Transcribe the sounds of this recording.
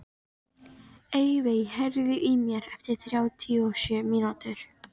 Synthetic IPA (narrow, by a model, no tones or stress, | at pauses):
ejvejhɛɾðʏʔimjɛɾɛft̪ɪɾ̥θɾjaːwt̪ʰiɔsʏːminat̪ʏɾ̥